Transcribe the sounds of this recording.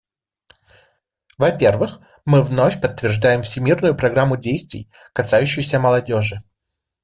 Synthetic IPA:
vɐpʲe̞rvɨx | mɨvno̞fʲpət̪ːvʲɪrʐd̪ajɪmfsʲɪmʲirnʊjʊpɾɐɡɾamːʊdʲejst̪vʲɪ̰j | kɐsajʉɕːɪjsʲəməlˠɐdʲoʐɨ

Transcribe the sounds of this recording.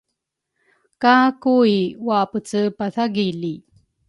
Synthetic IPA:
kakuiwapət͡səpaθaɡili

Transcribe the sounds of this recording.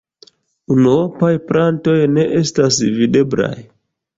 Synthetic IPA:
unuopajplʔanto̞jne̞ʔestasvide̞bla̰j

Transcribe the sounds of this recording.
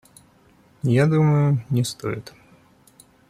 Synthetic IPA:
jad̪uməjʊnʲɪst̪o̰jɪ̰t̪

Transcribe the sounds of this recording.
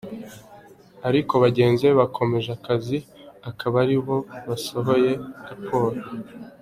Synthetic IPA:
aɾiko̞βaɟe̞ːnze̞βakʰo̞me̞ʒakaziakʰaβaɾiβo̞βaso̞ɦo̞je̞ɾapʰo̞ːɾo

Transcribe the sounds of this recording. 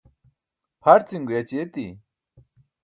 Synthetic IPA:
pʰɐɾt͡siŋɡujɐt͡ɕet̪ḭ

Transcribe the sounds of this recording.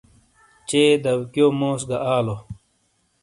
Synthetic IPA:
t͡ɕeːd̪ɐwkjomoːsɡɐʔaːlo

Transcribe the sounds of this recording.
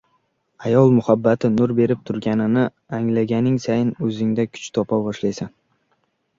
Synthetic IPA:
ajɒlˠmʊhabːat̪ʰɪnʊɾbe̞ɾɪp̚t̪ʰʊɾɡʲanɪnɪ | aŋlaɡʲanɪŋsajɪnɵzɪŋd̪akʰʊ̥t͡ʃt̪ʰɒpʰabɒʃlajsan

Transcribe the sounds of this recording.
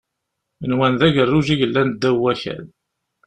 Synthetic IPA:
ənwænðæʝərːuʒiʝəlːænd̪ːæwːæçæ̰l

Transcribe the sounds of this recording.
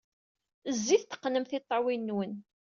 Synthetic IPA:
əzːiθt̪ə̥qːnəmθɪt̪ˤːɑwinːwən

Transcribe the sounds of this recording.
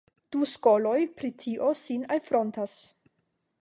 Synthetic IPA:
d̥uskolojpɾitʰiʔosinalfɾontas

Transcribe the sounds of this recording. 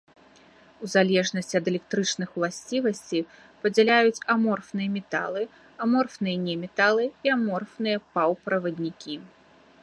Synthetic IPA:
uzalʲɛʐnɐsʲt͡sʲɐd̪ɛlʲɛk̚t̪ɾɨt͡ʂnɨxwlˠasʲt͡sʲivɐsʲt͡sʲi | pɐd͡zʲalʲajut͡sʲamɔrfnɨjɐmʲɛt̪a̰lˠɨ | amɔrfnɨjɛnʲɛmʲɛt̪alˠɨiamɔrfnɨjɐpawpɾɐvɐd̪ʲnʲikʲi

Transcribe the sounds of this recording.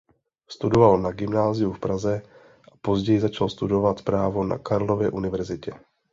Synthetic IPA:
st̪udovalnaɡɪmnaːzɪjufpɾazɛ | ʔapo̞zɟɛjɪzat͡ʃalst̪udo̞vat̪pɾaːvo̞na̰kaɾlo̞vjɛʔunɪvɛɾzɪcɛ

